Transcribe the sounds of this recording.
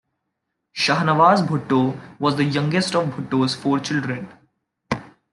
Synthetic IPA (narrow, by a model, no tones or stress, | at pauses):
ʃɐɦnəʋaːzbʱʊʈːoːʋɔːzd̪əjʌ̃ŋɡesʈɔʋbʱʊʈːoːzfoːɾt͡ʃɪlɖɾẽn